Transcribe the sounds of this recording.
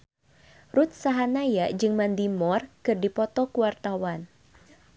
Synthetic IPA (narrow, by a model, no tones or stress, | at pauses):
rut̪̚saɦanajad͡ʒɨŋmandimɔrkɨrdipɔt̪ɔkuwart̪awan